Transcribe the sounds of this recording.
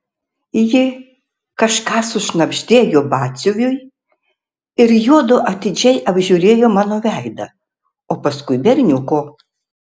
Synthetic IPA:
jɪ | kɐʃkɑːsʊʃnɐbʲʒʲd̪ʲeːjoːbɑːt̪sʲʊʋʲʊj | ɪɾjoɔd̪oːʔɐt̪ʲɪd͡ʒʲɛɪʔɐbʲʒʲuːɾʲeːjoːmɑːnoːʋʲæˑɪd̪ɐ | oːpɐskʊɪbʲɛɾʲnʲʊkoː

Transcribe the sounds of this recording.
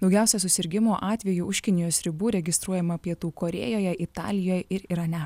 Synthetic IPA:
d̪ɒʊɡʲæˑʊsʲɛsʊsʲɪɾʲɡʲɪmoːʔɑːt̪ʲʋʲɛjuːʔʊʃʲkʲɪnʲɪjoːsɾʲɪbuːɾʲɛɡʲɪst̪ɾuɔjɛmɐpʲiɛt̪uːkoːɾʲḛːjoːjɛʔɪt̪ɑ̰ːlʲɪjoːjɪɾɪɾɐnʲɛ

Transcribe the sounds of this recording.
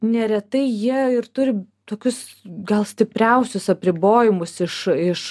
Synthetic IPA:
nʲɛɾʲɛt̪ɐɪjiɛɪɾt̪ʊɾʲɪ | t̪oːkʲʊsɡɐlˠsʲt̪ʲɪpʲɾʲɛʊsʲʊsɐpʲɾʲɪboːjɪmʊsɪʃɪʃ

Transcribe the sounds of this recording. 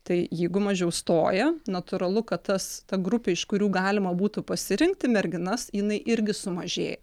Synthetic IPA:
t̪ɐɪjɛɪɡʊmɐʒʲɛʊst̪oːjɛnɐt̪ʊɾɐlˠʊkɐt̪tɐst̪ɐɡɾʊpʲɛɪʃkʊɾʲuːɡɑːlʲɪmɐbuːt̪ʊpɐsʲɪɾʲɪŋk̚t̪ʲɪmʲɛɾʲɡʲɪnɐsjɪnɐɪʔɪɾʲɡʲɪsʊmɐʒʲḛːjɛ

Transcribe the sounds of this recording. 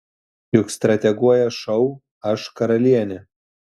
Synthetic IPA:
jʊkst̪ɾɐt̪ʲɛɡuɔjɛʃɔʊ | ɐʃkɐɾɐlʲiɛnʲɪ

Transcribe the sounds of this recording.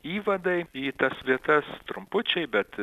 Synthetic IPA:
iːʋɐd̪ɐɪiːt̪ɐsʋʲiɛt̪ɐst̪ɾʊmpʊt͡ʃʲɛɪbʲɛt̪

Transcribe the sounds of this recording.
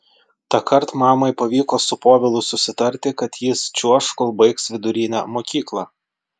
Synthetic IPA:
t̪ɑkʰɐɾt̪mɑːmɐɪpɐʋʲiːkoːsʊpoːʋʲɪlˠʊsʊsʲɪt̪ɐɾʲt̪ʲɪkɐt̪jɪst͡ʃʲuɔʃkolˠbɐɪksʋʲɪd̪ʊɾʲɪːnʲæ̰moːkʲiːklˠɑ

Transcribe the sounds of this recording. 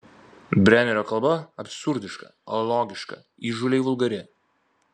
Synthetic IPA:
bʲɾʲæˑmʲɛɾʲoːkɐlˠbɐɐpʲsʊɾʲd̪ʲɪʃkɐ̰olˠoːɡʲɪʃkɐ̰ | iːʒʊlʲɛɪʋʊlˠɡɐɾʲɛ

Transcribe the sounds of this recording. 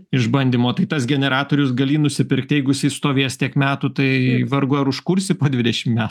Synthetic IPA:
ɪʒbɐnʲd̪ʲiːmoːt̪ɐɪt̪ɐsɡʲɛnʲɛɾɑːt̪oːɾʲʊsɡɐlʲiːnʊsʲɪpʲɪɾkt̪ʲɪjɛɪɡʊsʲiːst̪oːʋʲiɛst̪ʲiɛkmʲæːt̪ut̪ɐɪʋɐɾɡʊɐɾʊʃkʊɾʲsʲɪpoːd̪ʲʋʲɪd̪ʲɛʃʲɪmmʲæːt̪ː

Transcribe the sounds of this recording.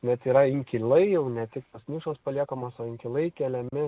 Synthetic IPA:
nʲɛt̪iːɾɐɪŋʲkʲɪlˠɐɪjɛʊnʲɛt̪ʲɪkt̪oːsnʲɪʃoːspɐlʲiɛkomoːsoːɪŋʲkʲɪlˠɐɪkʲɛlʲɛmʲɪ

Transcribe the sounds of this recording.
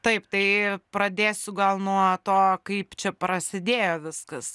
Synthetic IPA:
t̪ɐɪpt̪ɐɪpɾɐd̪ʲeːsʲʊɡɐlˠnuɔt̪oːkɐɪpt͡ʃʲɛpɾɐsʲɪd̪ʲeːjoːʋʲɪskɐs

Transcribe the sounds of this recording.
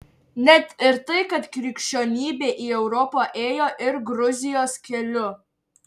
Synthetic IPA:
nʲɛt̪ɪɾt̪ɐɪkɐt̪kɾʲɪkʲʃʲt͡ʃʲoːnʲiːbʲeːʔiːɛʊɾɔpoːʔeːjoːʔɪɾɡɾʊzʲɪjoːskʲɛlʲʊ

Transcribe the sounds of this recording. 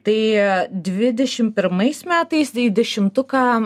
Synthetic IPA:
t̪ɐɪd̪ʲʋʲɪd̪ʲɛʃʲɪmpʲɪɾmɐɪsmʲæːt̪ɐɪsɪd̪ʲɛʃʲɪmt̪ʊkɑː

